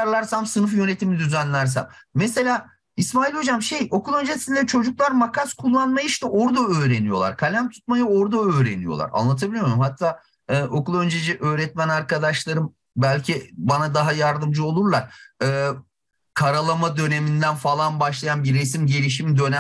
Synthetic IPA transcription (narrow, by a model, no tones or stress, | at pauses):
ɾlˠaɾsamsɯnɯfjø̞ne̞t̪ʰimid̪yzænlʲæɾs̬æ̰mːɛse̞lʲaː | ismaːilʲo̞d͡ʒamʃe̞jo̞kulˠø̞nd͡ʒesind̪ʲɛt͡ʃʰo̞d͡ʒuklˠaɾmakʰaskʰulˠːanmajiʃt̪ɛʔo̞ɾd̪aøːɾe̞nijo̞lˠa̰ɾkʰalʲæmt̪ʰu̥t̪̚majɯo̞ɾd̪aøːɾe̞̰nijo̞̰lˠa̰ɾa̰nlˠat̪ʰabilʲijmmɦat̪ʰːaː | ɯːʔo̞kulˠø̞nd͡ʒed͡ʒiʔø̞ːɾɛt̪̚mænaɾkad̪aʃlˠaɾɯm | bælʲcʰibanad̪aɦajaɾd̪ɯmd͡ʒɯolˠuɾlˠaɾ̥ɯː | kʰaɾalˠamad̪ø̞ne̞mind̪ænfalˠanbaʃlˠajanbiɾes̬imɟeɾiʃ̬imd̪ø̞næ